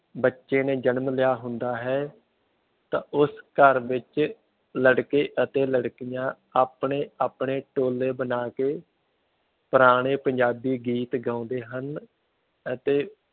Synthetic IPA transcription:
bətːʃeːneːd͡ʒənmlɪjaːɦʊnd̪aːɦɛː | t̪ãːʔʊskəɾʋɪt͡ʃ | ləɽkeːʔət̪eːləɽkijãː | aːpɳeːaːpɳeːʈoːleːbənaːkeː | pəɾaːɽ̃eːpəɲd͡ʒaːbiːɡiːt̪ɡãːʊ̃nd̪eːɦən | ət̪eː

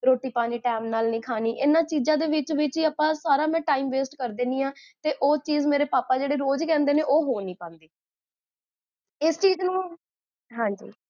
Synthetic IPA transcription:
ɾoːʈiːpaːniːʈɛːmnaːlnĩːkʰaːniːʔɪnãːt͡ʃiːzãːd̪eːʋɪt͡ʃʋɪt͡ʃiːaːpãːsaːɾaːmɛ̃ːʈaːiːmʋeːsʈkəɾd̪ẽːniːãːt̪eːʔoːt͡ʃiːzmeːɾeːpaːpaːd͡ʒeːɽeːɾoːd͡ʒkɛ̃ːnd̪eːneːʔoːɦoːnĩːpãːnd̪eː | ɪst͡ʃiːznũː | ɦãːɲd͡ʒḭː

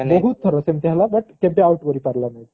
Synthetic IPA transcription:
bəɦut̪t̪ʰəɾɔsemt̪jalabəʈk̪ebeauʈkəɾipaɾlanaɦi

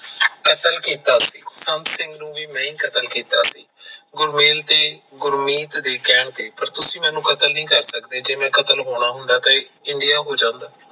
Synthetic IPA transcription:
kət̪əlkiːt̪aːsiːsənt̪sɪ̃ŋɡnũːʋiːmɛ̃ːĩːkət̪əlkiːt̪aːsḭːɡʊɾmeːlt̪eː | ɡʊɾmiːt̪d̪eːkɛːɳt̪eːpəɾt̪ʊsĩːmɛ̃ːnːũːkət̪əlnĩːkəɾsəkd̪eːd͡ʒeːmɛ̃ːkət̪əlɦoːɳ̃aːɦʊnd̪aːt̪ãɪɳɖijaːɦoːd͡ʒãːnd̪aː

